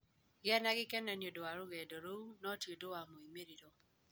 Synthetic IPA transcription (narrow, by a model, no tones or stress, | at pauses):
ɡɛnaɡɪkɛnɛnjodoaɾuɣɛdɔɾounɔtjedowamoimeɾiɾɔ